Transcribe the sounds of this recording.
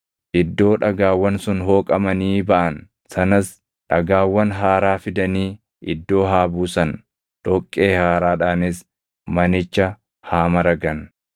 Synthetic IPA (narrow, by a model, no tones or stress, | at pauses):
ʔɪd̪ːo̞ːᶑɐɡaːwːɐnsʊnɦo̞ːkʼɐmɐniːbɐʔɐn | sɐnɐs | ᶑɐɡaːwːɐnɦaːɾaːfɪd̪ɐniː | ʔɪd̪ːo̞ːɦaːbuːsɐn | ᶑ̥ɔkʼːeːhaːɾaːᶑaːnɪs | mɐnɪt͡ʃːɐ | haːmɐɾɐɡɐn